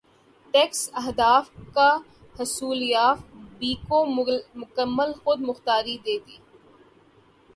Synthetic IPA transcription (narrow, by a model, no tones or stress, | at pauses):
ʈeksɐɦd̪aːfka | hɐsuːlijaːfbiːkõːmʊkəmːəlxʊd̪mʊxt̪aːɾid̪eːt̪iː